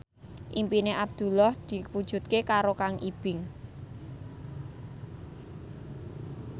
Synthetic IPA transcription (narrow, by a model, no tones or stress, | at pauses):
ʔimpineʔab̚d̪̥ṳlɔhd̪̥i̤pud̥ʒ̥ṳt̪̚kekaɾokaŋʔib̥ɪ̤ŋ